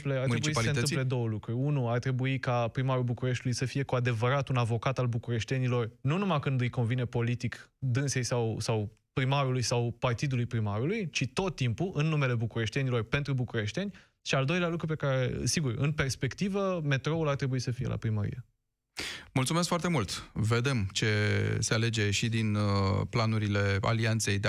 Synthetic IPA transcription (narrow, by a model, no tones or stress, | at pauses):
pleart̪ɾebuisənɨmpled̪o̞wəlukɾurʲunuart̪ɾe̞buikapɾimaɾulbukuɾe̞ʃt̪ulujsəfije̞kuad̪e̞vəɾat̪unavo̞kat̪albukuɾe̞ʃt̪e̞nilo̞rnunumakɨnd̪ɨjko̞nvine̞po̞lit̪ikd̪ɨnse̞jsawsaw | pɾimaɾulujsawpart̪id̪ulujpɾimaɾulujt͡ʃit̪o̞t̪ːimpuʔɨnːume̞le̞bukuɾe̞ʃt̪e̞nilo̞rpe̞nt̪ɾubukuɾe̞ʃt̪e̞nʲ | ʃiald̪o̞jlealukɾupe̞kaɾe̞siɡurɨ̰npe̞rspe̞kt̪ivəme̞t̪ɾo̞ulart̪ɾe̞buisəfijḛlʔa̰pɾiməɾḭje | mult̪sumes̬kfoart̪e̞mult̪ve̞d̪e̞mt͡ʃe̞se̞ale̞d͡ʒe̞ʃid̪inplanuɾile̞a̰liant̪se̞jd̪